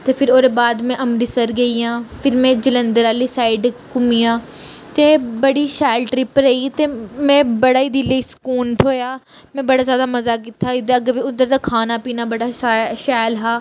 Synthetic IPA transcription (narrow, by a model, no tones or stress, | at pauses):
t̪eːpʰɪɾoːɾeːbaːd̪mɛ̃ːʔəmɾiːsəɾɡəiːjãːpʰɪɾmɛ̃ːd͡ʒələnd̪əɾaːliːsaːɪɖkʊmijãː | t̪eːbəɽiːʃaːlʈɾɪpəɾəiːt̪eːmɛ̃ːbəɽaːiːd̪ileiːskuːnt̪ʰoːjaː | mɛ̃ːbəɽaːzjaːd̪aːməzaːkɪt̪ʰːaːɪd̪əɡəbiːʊd̪əɾd̪aːkʰaːnaːpiːnaːbəɽaːʃaːlɦaː